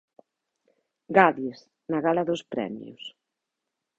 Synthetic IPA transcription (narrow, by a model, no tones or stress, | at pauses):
ɡaðjes | naɣalaðʊspɾɛ̰mj̰ʊ̰s